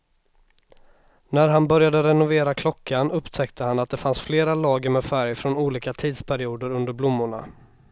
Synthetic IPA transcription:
næɾɦanbœɾjad̪əɾɛnʊveːɾakʰlɔkːanɵpt̪ʰɛkt̪ʰəhanat̪̚d̪ɛfansfleːɾalɑːɡəɾmɛfæɾjfɾɔnuːliːkat̪ʰiːd̪spʰæɾɪuːd̪əɾɵnd̪əɾblʊmːʊɳa̰

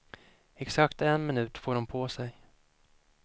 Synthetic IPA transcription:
ɛksakt̪ɛnmɪnʉ̟ːt̪foːɖɔmpʰoːsɛj

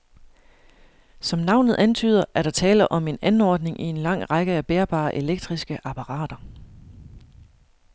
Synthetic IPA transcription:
sɒ̽mnɑ̈ʊ̰nð̞̩ˠʔænt͡sʰy̰ːð̞̰ˠɐʔæɐɾ̥ɑ̈t͡sʰɛːlɐʔɒ̽me̝nænɒːd̥ne̝ŋʔie̝nlɑ̈ŋ̰ʁɑɡ̥əæb̥eːɐb̥ɑ̰̈ːʔe̝leɡ̥̚d̥ʁisɡ̥əʔɑ̈pʰɑ̈ʁɑ̰̈ːd̥ɐ

